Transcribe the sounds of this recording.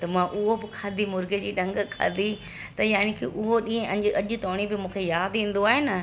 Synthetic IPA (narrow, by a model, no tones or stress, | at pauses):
t̪ɐmãʔʊɦobɪkʰaːd̪ʱimʊɾɡəd͡ʑiːɗɐ̃ŋɡkʰa̰ːd̪ʱi | t̪ɐjaːñikʰḭʔʊɦoɗĩːɦə̃ʔɐ̃ɲd͡ʑʔɐʄʊ̆t̪oːɽ̃ibɪmũːkʰejaːd̪ĩːn̆d̪oaːɦenɐ